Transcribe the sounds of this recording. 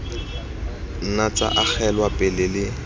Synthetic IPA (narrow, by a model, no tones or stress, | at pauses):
n̩nat͡sʼa̰ʔak͡xʰɛlwapʼɪlɪlɪ